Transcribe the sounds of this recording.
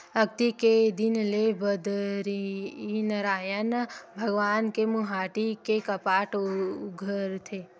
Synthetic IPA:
ək̚t̪iked̪inlebəd̪ɾiinəɾajənbʱəɡʋankemuɦaʈikekəpaʈɡʱəɾt̪ʰe

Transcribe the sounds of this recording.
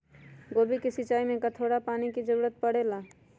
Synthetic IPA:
ɡobikesit͡ʃaimẽkət̪ʰoɽapaniked͡ʒəɾuɾət̪̚pəɽela

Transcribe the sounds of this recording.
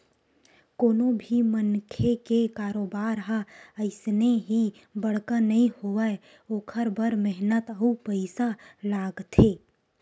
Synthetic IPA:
koːnobʱimənkʰekekaːɾoːbaːɾɦaəɪsneɦi | bəɽ̤kanɐɦĩhoae | oːkʰəɾbəɾmɛɦnət̪əupəɪsalaːɡt̪ʰeː

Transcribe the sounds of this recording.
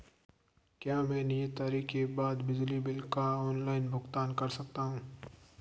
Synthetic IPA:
kjaːmɛ̃ːnɪjət̪ːaːɾikːebaːd̪bɪd͡ʒlibɪlkaɔːnlaːɪnbʱʊxt̪aːnkɐɾsɐk̚t̪aɦũː

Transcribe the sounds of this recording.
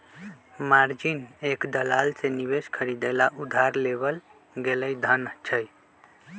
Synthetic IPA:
maɾd͡ʒinekd̪əlalseniβeskʰəɾid̪əlaʔud̪ʱaɾleβəl | ɡeləjd̪ʱənt͡ʃʰəj

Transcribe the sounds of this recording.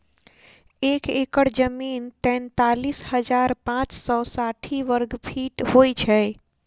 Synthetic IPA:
ekekəɽd͡ʒəmint̪ɛ̃nt̪alishəd͡ʒaɾpãt͡ʃsɔsaʈʰiʋəɾɡpʰiʈhojt͡ʃʰɛ

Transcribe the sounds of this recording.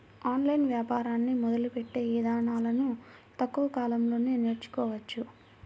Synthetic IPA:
aːnlɐjnʋjaːpaːɾaːnːimɔd̪ɐlupeʈːe̞ːʋid̪aːɳaːlɐnut̪ɐkːuʋɐkaːlɐmlo̞ːnene̞ːɾt͡ʃu̥kɔːʋɐt͡ʃːu

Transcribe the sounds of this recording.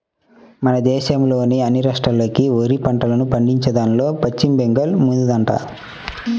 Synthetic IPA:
mɐnɐd̪ɛːʃɐmlo̞ːniɐnːiɾɐʂʈɐloːkioːɾipɐɳʈɐlɐnupɐɳɖiɲt͡ʃɐd̪aːnlo̞ːpɐt͡ʃːimbeŋɡɐlmund̪ud̪ɐɳʈɐ̰

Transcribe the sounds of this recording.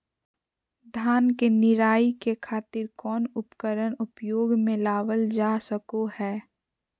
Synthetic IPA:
d̪ʱaːnkenɪɾaːikekʰaːt̪ɪɾkɔːnʊpkəɾənʊpjoːɡmẽlaːʋəld͡ʒaːsəkohɛː

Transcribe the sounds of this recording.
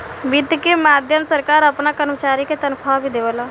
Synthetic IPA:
ʋid̪ʱkemaːd̪ʱjəmsəɾkaːɾɐpnakɐɾmət͡ʃaːɾiket̪ɐnkʰabʱid̪eʋəla

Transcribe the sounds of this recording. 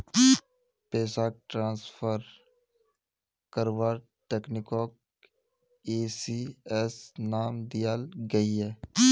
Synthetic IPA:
peːsaːk̚ʈɾãːnsfʰəɾ | kəɾʋaːɾ | ʈeːknɪkoːk | eːsiɛsnaːmd̪ijalɡəiɦɛː

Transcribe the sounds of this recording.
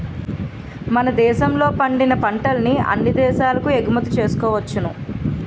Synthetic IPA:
mɐnɐd̪ɛːʃɐmlo̞ːpɐɳɖinɐpɐɳʈɐlɐniɐ̰nːid̪ɛːʃaːlɐkueɡumɐt̪it͡ʃe̞ːsu̥kɔːʋɐt͡ʃːɐnu

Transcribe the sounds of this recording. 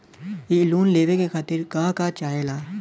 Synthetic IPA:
iluːnleːʋekekʰaːt̪ɪɾkãːkat͡ʃaːelaː

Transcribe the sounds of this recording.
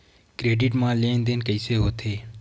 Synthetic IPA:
kɾeːɖɪʈmãːleːnd̪enkəiseːɦoːt̪ʰeː

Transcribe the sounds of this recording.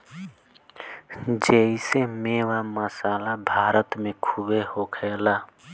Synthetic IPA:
d͡ʒeisemewaməsaːlabʱaːɾət̪mẽkʰubehokʰɛːla

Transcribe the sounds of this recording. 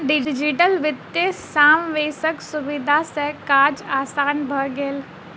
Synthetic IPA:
ɖɪd͡ʒɪʈəlʋɪt̪jəsaːmʋeːsəksʊʋɪd̪ʱasɛkaːd͡ʒaːsaːnbʱɐɡeːl

